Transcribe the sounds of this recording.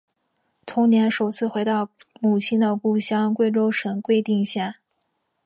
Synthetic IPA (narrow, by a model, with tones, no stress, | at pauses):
t̪ʰʊ˧˥ŋnjɛ˧˥nʂo˨˩ʊt͡sʰɹ̩˥˧xwe˧˥ɪt̪ɑ˥˩ʊmu˨˩t͡ɕʰi˥nd̪ə˨ku˥˩ɕjɑ˥ŋkwe˥˩ɪʈ͡ʂo˥ʊʂə˨˩ŋkwe˥ɪt̪i˥˧ŋɕjɛ˥˩